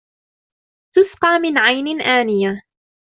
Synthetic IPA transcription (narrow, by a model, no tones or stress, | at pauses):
t̪ʊsqɑːmɪnʕajnɪʔaːnɪja